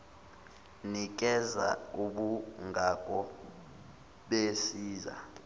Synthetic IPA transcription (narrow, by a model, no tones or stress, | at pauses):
nik̬ʼɛza̰uɓuŋɡʱakʼɔ | ɓesiːza̰